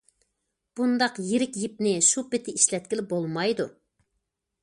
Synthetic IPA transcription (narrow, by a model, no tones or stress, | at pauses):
b̥und̪ɑqjiɾɪkʲjip̚nɪʃupɪt̪ʰɪiʃlɛt̪̚kʲilɪbolˠmɑjd̪u